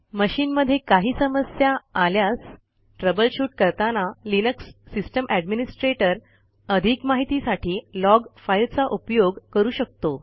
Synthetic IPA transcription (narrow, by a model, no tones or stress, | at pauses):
məɕiːnməd̪ʱːjekaɦiːsəməsjaːljas | ʈɾəbəlɕuːʈ̚kəɾt̪analinəksːisʈəmʔæɖminisʈɾeʈəɾ | əd̪ʱikmaɦit̪isaʈʰiːlɔɡfajɾt͡saʔupjoɡkəɾuːɕək̚t̪o